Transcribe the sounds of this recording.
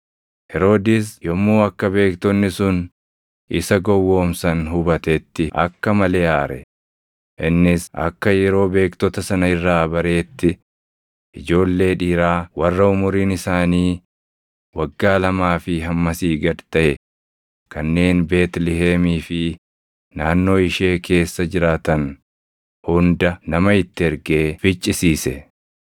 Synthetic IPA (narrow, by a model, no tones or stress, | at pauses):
hɛɾo̞ːd̪ɪs̬jɔmːuːɐkːɐbe̞ːkt̪ɔnːɪsʊn | ʔɪsɐɡɔwːo̞ːmsɐnɦʊbɐt̪ɛt̪ːɪʔɐ̰kːɐmɐleːaːɾɛ̰ | ʔɪnːɪsɐ̰kːɐjɛɾo̞ːbe̞ːkt̪ɔt̪ɐsɐnɐɪrːaːbɐɾe̞ːt̪ːɪ | ʔɪd͡ʒo̞ːlːe̞ːᶑiːɾaːwɐrːɐʊmʊɾiːnɪsaːniː | wɐɡːaːlɐmaːfɪɦɐmːɐsiːɡɐdt̪ɐʔɛ | kɐnːe̞ːnbe̞ːt̪lɪɦeːmiːfɪ | naːnːo̞ːɪʃe̞ːkʰe̞ːsːɐd͡ʒɪɾaːt̪ɐn | hʊnd̪ɐnɐmɐɪt̪ːɪɛɾɡe̞ːfɪt͡ʃʼːɪsiːsɛ